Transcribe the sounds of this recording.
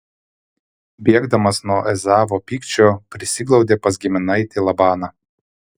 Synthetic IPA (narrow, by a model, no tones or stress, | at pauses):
bʲiɛɡd̪ɐmɐsnuɔʔɛzɑːʋoːpʲiːkt͡ʃʲoːpʲɾʲɪsʲɪɡlˠɒʊd̪ʲeːpɐsɡʲɪmʲɪnɐɪt̪ʲiːlˠɐbɑːnɑː